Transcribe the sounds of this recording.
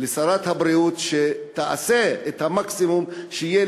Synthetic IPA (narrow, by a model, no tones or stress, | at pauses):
lesaɾat̪habɾiut̪ʃet̪aʔa̰seet̪hamaksimumʃeije